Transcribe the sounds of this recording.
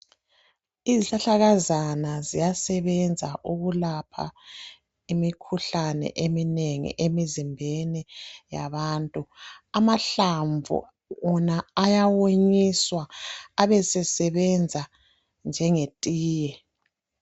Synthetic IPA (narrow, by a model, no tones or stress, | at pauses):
iziɬaɬaɣazanazijasɛβɛnd͡zʱa̰ʔuɣulapʰa̰ | imikʰuɬanɛ̰ʔemineŋḭʔemizimbʱenija̰βaːntʼuamaɬaɱvʱṵ | ɣunaajawoɲiswaːβɛsɛsɛβɛnd͡zʱa | nd͡ʒʱɛŋetʼiːjɛ